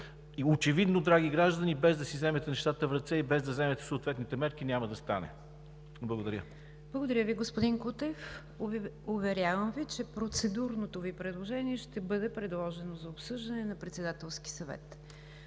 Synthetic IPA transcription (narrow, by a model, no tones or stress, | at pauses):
iot͡ʃɛvid̪nod̪ɾaɡiɡɾaʒd̪ənibɛzd̪ɐsizɛmɛt̪ɛnɛʃt̪at̪əvɾɐt̪sɛibɛzd̪ɐzɛmɛt̪ɛ̥soːt̪vɛt̪nit̪ɛmɛɾk̟inʲaməd̪ɐst̪anɛ̰ | blˠəɡod̪ɐɾʲə | b̥lˠəɡod̪ɐɾʲəviɡospʊd̪inkut̪ɛf | ʊvɛɾʲjavəmvit͡ʃɛpɾot̪sɛd̪uɾnot̪ovipɾɛd̪lˠoʒɛniɛʃt̪ɛbɤd̪ɛpɾɛd̪lˠɔʒɛnozɐopsɤʒd̪ɐnɛnɐpɾɛt̪sɛd̪at̪ɛlˠsk̟i̥sɐvɛ̰t̪